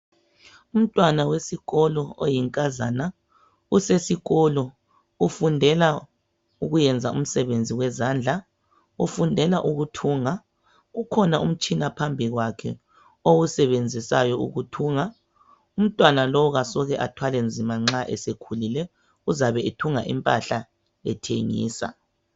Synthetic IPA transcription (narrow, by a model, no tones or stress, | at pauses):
um̩tʼwanawesiɣɔlɔojiŋkʼazana | usesiɣɔlɔ | ufundʱɛla | uɣujɛnd͡zʱaʔum̩sɛβend͡zʱiwɛzand͡ɮʱa | ufundʱɛlaʔuɣutʰuːŋa | ɣukʰɔnaʔum̩t͡ʃʼinapʰambʱiɣwakʰɛ | owusɛβend͡zʱisajɔṵɣutʰuːŋa | um̩tʼwanalɔwɔɣasɔɣɛʔatʰwalɛnd͡zʱimaŋ͡ǁaʔɛsekʰulilɛ | uzaβɛitʰuŋa̰ʔḭmpʼaɬa | lɛ̰tʰeŋḭːsa̰